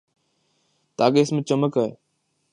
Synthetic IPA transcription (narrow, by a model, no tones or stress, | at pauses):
t̪aːkeːɪsmẽt͡ʃəməkaːɦe